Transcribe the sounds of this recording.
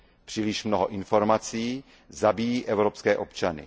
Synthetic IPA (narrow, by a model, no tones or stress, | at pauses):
pr̥iːlɪʃmnoɦoʔɪnfo̞ɾmat͡siː | zabijiːʔɛvɾopskɛːʔo̞pt͡ʃanɪ̰